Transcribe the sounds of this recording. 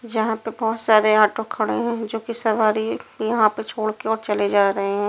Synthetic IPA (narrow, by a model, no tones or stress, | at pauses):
d͡ʒɐɦãpebɔːt̪saːɾeaːʈokʰɐɽḛɦɛ̃ːd͡ʒoːkisɐʋaːɾijɐɦãpet͡ʃʰoːɽkeɔːɾt͡ʃɐled͡ʒaːɾɐɦeɦɛ̃ː